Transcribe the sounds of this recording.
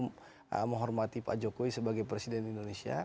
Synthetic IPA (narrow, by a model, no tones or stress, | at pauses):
m̰ | məŋɦɔrmat̪ipa̰d͡ʒokoisəbaɡajpɾɛsidɛnindonesia̰